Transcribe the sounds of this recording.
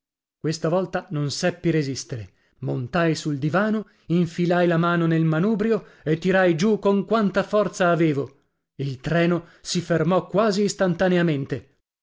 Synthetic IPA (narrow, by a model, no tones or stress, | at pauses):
kwest̪avɔlt̪anonsɛpːiɾezist̪eɾe | mont̪ajsuld̪ivaːno | iɱfilajlamaːnonelmanuːbɾjoet̪ːiɾajd͡ʒukoŋkwant̪afɔrt̪saːveːvo | ilt̪ɾɛːnosifermɔkwaːziːst̪ant̪aneament̪e